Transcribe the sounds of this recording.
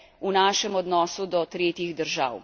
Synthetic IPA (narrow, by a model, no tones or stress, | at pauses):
unaːʃɛmɔd̪nɔːsud̪ɔt̪ɾeːt̪jiɣd̪əɾʒa̰w